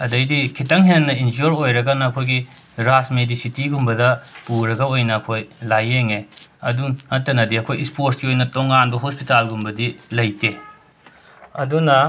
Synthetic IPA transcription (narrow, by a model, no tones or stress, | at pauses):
ɐdɐjdikʰitɐŋɦenɐind͡ʒoɾojɾɐɡɐnɐɐkʰojɡi | ɾasmedisitiɡumbɐdɐpuɾɐɡɐojnɐːkʰojlajeŋeɐduɐtːɐnɐdiɐkʰojispoɾsɡiojnɐtoŋanbɐɦospitalɡumbɐdilɐjte | ɐdunɐ